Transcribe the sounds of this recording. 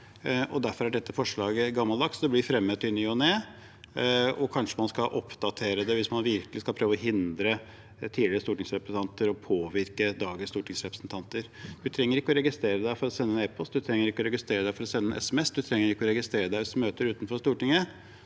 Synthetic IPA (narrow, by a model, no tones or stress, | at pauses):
ʔɔd̪æɾfɔɾæɖɛt̪ːəfɔʂɭɑːɡəɡɑmːɑld̪ɑkt̪sd̪ɛblɪfɾɛmːət̪ːɪnːyɑneː | ɔkʰɑnʂəmɑnskɑʔɔpd̪ɑt̪ʰeːɾəd̪ɛʋɪsmɑnʋɪɾkəlɪskɑlpʰɾøːʋɔɦɪnd̪ɾə | t̪ʰiːlɪɾəst̪uːʈɪŋsɾɛpɾəst̪ɑnt̪əɾɔpʰoːʋɪɾkəd̪ɑːɡəst̪uːʈɪŋsɾɛpɾə̥sn̩t̪ʰɑnt̪əɾd̪ʉt̪ʰɾɛŋːəɾɪkːəɔɾɛɡɪst̪ɾeːɾəd̪æɪfɔɾɔsɛnːənɛːpɔst̪d̪ʉt̪ʰɾɛŋːəɾɪkːɔɾɛɡɪst̪ɾeːɾəd̪æɪfɔɾɔsɛnːənʔɛ̰sɛmɛsːd̪ʉt̪ʰɾɛŋːəɾɪkːəɔɾɛɡɪst̪ɾeːɾəd̪æɪsmøːt̪əɾʉːt̪nfɔʂt̪uːʈɪŋə